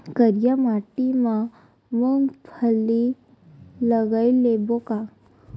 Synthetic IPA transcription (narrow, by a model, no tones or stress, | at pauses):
kəɾjamaʈima | məŋɡpʰəli | ləɡajleboka